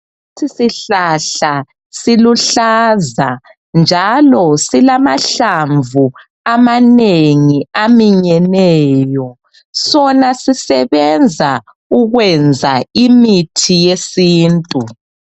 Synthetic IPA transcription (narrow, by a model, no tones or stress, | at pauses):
utʰisiɬaɬa | siluɬaza | nd͡ʒʱalɔsilamaɬaɱvu | amaneŋiamiɲɛnɛːjɔ | sɔnasisɛβɛnd͡zʱa | uɣwɛnd͡zʱaimitʰijesiːntʼu